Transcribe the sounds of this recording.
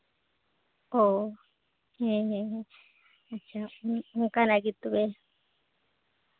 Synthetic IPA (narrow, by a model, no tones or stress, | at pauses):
o | hẽɦẽɦẽ | at͡ʃaũũkanãkit̪uβe